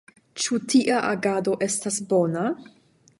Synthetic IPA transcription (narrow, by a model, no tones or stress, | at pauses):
t͡ʃutʰiʔaʔaɡado̞ʔe̞stasbo̞na